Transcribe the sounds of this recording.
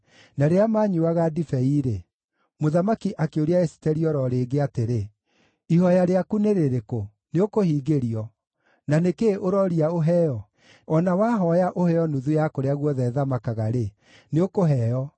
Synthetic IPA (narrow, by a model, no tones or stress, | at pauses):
naɾeamaɲuaɣadifɛiɾe | moðamakiʔakeoɾeaesi̥tɛɾiɔɾɔɾeːɡeateɾe | ihɔjaɾeakuneɾeɾeko | neokohiːɡeɾiɔ | nanekeʔoɾɔɾiaoɦɛjɔ | ɔnawaːɦɔjaʔohɛjɔnuðujakoɾeaɣwɔðɛðamakaɣaɾe | neokoɦɛːjɔ